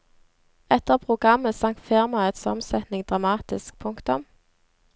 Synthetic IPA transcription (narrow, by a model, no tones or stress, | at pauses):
ɛt̪əʁpʰʁʊɡʁɑməsɑŋkt̪feʁmɑɛt̪sɔ̰msɛt̪nɪŋd̪ʁɑmɑːt̪ɪsk̚pʰʊŋkt̪ʊm